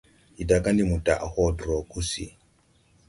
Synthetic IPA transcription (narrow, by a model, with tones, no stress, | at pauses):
i˨da˨ka˦ndi˨mu˨ta˨ʔa˨xɔ˦dɾɔ˨ku˦sḭ˨